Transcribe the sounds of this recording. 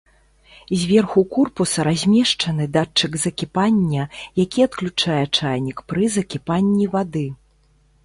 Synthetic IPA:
zʲvʲɛrxukurpusɐɾazʲmʲɛʂt͡ʂɐn̪ɨd̪at͡ʂːɨɡzɐkʲipanʲːɐjakʲiɐt̪klʲut͡ʂajɛt͡ʂajnʲikpɾɨzɐkʲipanʲːivad̪ɨ

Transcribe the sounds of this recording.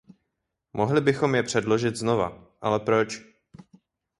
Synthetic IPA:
mʔo̞ɦlɪbɪxo̞mjɛpr̝̥ɛdlo̞ʒɪt̪zno̞va̰ʔalɛpɾo̞t͡ʃ

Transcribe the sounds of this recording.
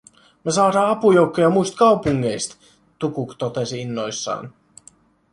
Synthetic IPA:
mesɑːɾɑːɑpujowkːojɑmuist̪kɑupuŋːejst̪ | t̪ukukt̪ot̪esiinːojsːɑ̰ːn

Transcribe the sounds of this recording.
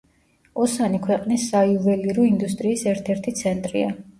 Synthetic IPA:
ɔsanikʰwɛqʼnisːaiuvɛliɾɔind̪ust̪ʼɾiːsɛɾt̪ʰɛɾt̪ʰit̪sʰɛnt̪ʼɾḭa

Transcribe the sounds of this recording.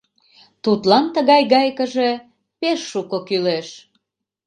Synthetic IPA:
t̪ut̪lɑnt̪əɣɑjɣɑjkəʒe̽ | peʃːukokyleʃ

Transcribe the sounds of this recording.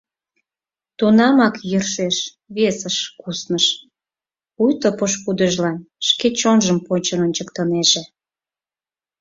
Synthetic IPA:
t̪unɑmɑkjərʃeʃ | βesəʃkusnəʃ | ujt̪opoʃpud̪əʒlɑnʃket͡ɕonʒəmponʲt͡ɕənonʲt͡ɕəkt̪əneʒe

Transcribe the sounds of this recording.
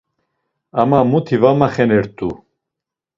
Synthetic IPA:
amamut̪ʰivamaχɛnɛɾt̪ʼu

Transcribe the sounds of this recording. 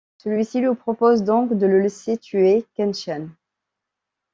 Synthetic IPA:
səlɥisilɥipχɔpozd̪ɔ̃kd̪ələleset̪ʰyekɛnʃɛn

